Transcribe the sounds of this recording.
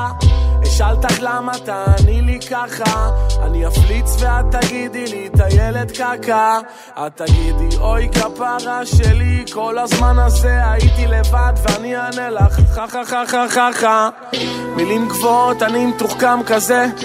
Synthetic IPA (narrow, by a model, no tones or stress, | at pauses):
eʃalt̪aχlamat̪anilikaχaa̰niaflit͡svead̪̚t̪aɡid̪ilit̪aje̞le̞t̪kaka | ad̚t̪ːaɡidiʔo̞jkapaʁaʃeliko̞lazmanaze̞ait̪ile̞vad̪veanianelaχaχaχaχaχaχa | milimɡvo̞t̪animet̪uχkamkaze̞